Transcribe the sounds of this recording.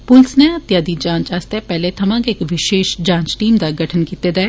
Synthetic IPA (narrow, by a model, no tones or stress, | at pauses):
pʊlsnẽɐt̪jaːd̪id͡ʒãːnt͡ʃaːst̪epɛɦlet̪ʰɐmãːkeːkʋɪʃeːʃd͡ʒãːnt͡ʃʈiːmd̪aɡʱɐʈʰənkiːt̪ed̪ɛː